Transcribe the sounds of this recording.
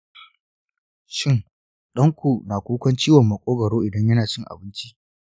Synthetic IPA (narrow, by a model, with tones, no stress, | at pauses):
ʃɪ˦ŋ | ɗɐ˦ŋkʷu˨naː˨kʷuː˦kʷɐ˦nt͡ʃiː˦wɐ˨mːɐ˨kʷʼoː˦ɡɐ˨ɽoː˦ʔɪ˨dɐ˦ɲjɐ˦naː˨t͡ʃɪ˦ŋʔa̰˨bɪ˦nt͡ʃi˦ʔ